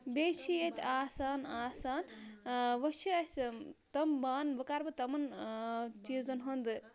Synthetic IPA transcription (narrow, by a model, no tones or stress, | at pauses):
bet͡ʃʰijet̪ʲaːsaːnaːsaːn | ʋɐt͡ʃʰiɐst̪ɐmbaːnbɐkaːɾbɨt̪ɐmɐn | t͡ʃiːzɐnɦɐnd̪ɨ